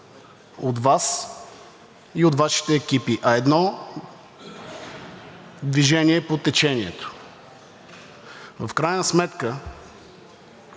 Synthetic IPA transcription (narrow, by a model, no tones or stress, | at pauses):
ot̪vas | iot̪vaʃi̥t̪ɛːkʲipiʔɐɛd̪nɔ | d̪viʒɛniɛpot̪ɛt͡ʃɛniɛt̪o̥ | vəfkɾajnəsmɛt̪kə